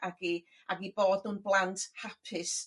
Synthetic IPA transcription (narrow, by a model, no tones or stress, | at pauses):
aɡi | ʔaɡiboːdʊnblˠantʰhapʰɪs